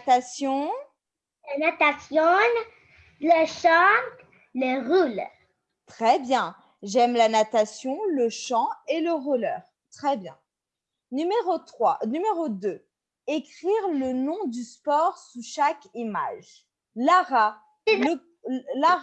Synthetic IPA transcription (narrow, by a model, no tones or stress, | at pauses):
t̪asjɔ̃ | lanat̪asjɔ̃n | ləʃɑ̃t | ləʁul | t̪χɛbjɛ̃ | ʒɛmlanat̪asjɔ̃ləʃɑ̃eləʁulœːʁ | t̪χɛbjɛ̃ | nymeʁot̪χwanymeʁod̪ø | ekχiʁlənɔ̃d̪yspɔʁsuʃakima̰ʒ | laʁa | lə | la